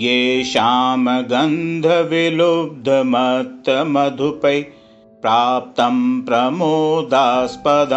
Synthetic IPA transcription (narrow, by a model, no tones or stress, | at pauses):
jeːʃaːmɐɡɐnd̪ʱɐʋilub̚d̪ʱɐmɐt̪ːɐmɐd̪ʱupɐj | pɾaːp̚t̪ɐmpɾɐmoːd̪ʱaːspɐd̪ʱɐ